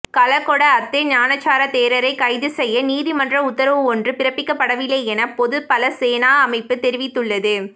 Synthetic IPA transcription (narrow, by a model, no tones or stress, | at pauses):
kɐlɐkːɔɽɐːt̪ːeɲaːnɐt͡ʃːaːɾɐt̪eːɾɐɾɐɪkɐɪðɯsɛjːɐniːðimɐndrɐʊt̪ːɐɾɐʋɯɔndrɯpɪɾɐpːɪkːɐpːɐɽɐʋɪleːɛnɐpɔðɯpɐlɐseːnaːɐmɐɪpːɯt̪ɛɾɪʋɪt̪ːɯɭːɐðɯ